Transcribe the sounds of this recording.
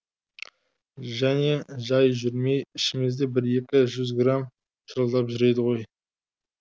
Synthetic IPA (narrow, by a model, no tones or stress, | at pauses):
ʒæne̞ʒɑjʒʏɾme̞jɪʃɪmezd̪e̞bɪɾe̞kʲɪʒʏzɡram | ʃəɾəlˠd̪ɑpʒʏɾe̞d̪ɪʁo̞j